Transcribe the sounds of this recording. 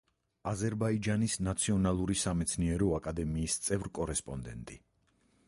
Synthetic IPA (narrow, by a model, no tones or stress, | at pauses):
azɛɾbaid͡ʒanisnat̪sʰiɔnalˠuɾisamɛt̪sʰniɛɾɔakʼad̪ɛmiːst̪sʼɛvɾkʼɔɾɛspʼɔnd̪ɛ̰nt̪ʼi